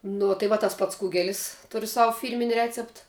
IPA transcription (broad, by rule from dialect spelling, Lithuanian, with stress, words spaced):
ˈnoː tɐɪ ˈʋɐ tɐs ˈpɐts ˈkʊɡʲɛlʲɪs ˈtʊrʲʊ ˈsɑːʋʊ ˈfʲiːrʲmʲɪnʲɪ ˈrʲæːt͡sʲɛpt